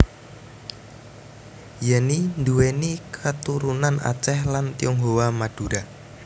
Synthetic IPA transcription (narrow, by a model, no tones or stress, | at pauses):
janind̪uwenikʰət̪uɾunana̰t͡ʃɛhlant̪iɔŋɦowamad̥uɾa